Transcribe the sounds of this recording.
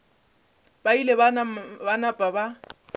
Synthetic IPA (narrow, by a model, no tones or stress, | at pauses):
bailebbanapʼaba